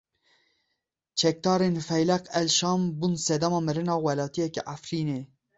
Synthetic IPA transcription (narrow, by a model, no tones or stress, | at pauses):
t͡ʃʰɛk̚d̪ɑːɾenfɛjlɛqɛlʃɑːmbuːnsɛd̪ɛmɑːmɨɾɨnɑːwɛlɑːt̪ijɛkɛ̰ʔafɾiːneː